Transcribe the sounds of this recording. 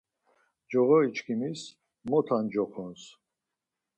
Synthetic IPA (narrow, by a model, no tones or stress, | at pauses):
d͡ʒɔʁɔit͡ʃʰkʰimis | mɔt̪ʰand͡ʒɔχʰɔns